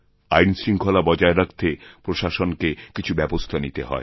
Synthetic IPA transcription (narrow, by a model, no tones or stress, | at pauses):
ajnsɾiŋkʰolabɔd͡ʑaeɾak̚t̪epɾoʃaʃonkekit͡ɕʰubɛbost̪ʰanit̪eɦɔ̰e